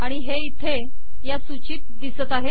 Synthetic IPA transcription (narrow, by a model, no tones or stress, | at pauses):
aɽ̃iɦeit̪ʰe | jasut͡ɕiːt̪̚d̪isət̪aɦe